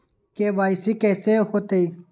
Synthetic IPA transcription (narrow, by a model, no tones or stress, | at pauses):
keʋaːsikeːsehot̪ei